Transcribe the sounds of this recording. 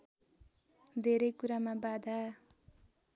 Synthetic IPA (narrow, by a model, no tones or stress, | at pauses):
d̪ʱeɾʌjkuɾamabad̪ʱa